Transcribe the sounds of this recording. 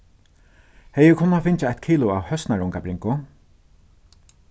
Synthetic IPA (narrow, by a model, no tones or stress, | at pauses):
hɛjəkʰʊnːafɪnt͡ʃɪat̪kʰiːlʊaːwhœsnaɹʊŋkabɾɪŋkʊ